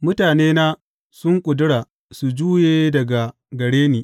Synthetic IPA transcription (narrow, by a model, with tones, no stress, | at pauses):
mʊ˦taː˨neː˦naː˦ | sʊ˦ŋkʷʼʊ˨dʊ˦ɽaː˨ | su˨d͡ʒuː˦jeː˦dɐ˨ɡa˨ | ɡɐ˨ɽeː˦niː˨